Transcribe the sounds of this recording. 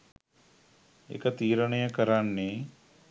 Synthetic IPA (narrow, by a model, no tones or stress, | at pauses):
ḛkət̪iːɾənəjəkəɾanːe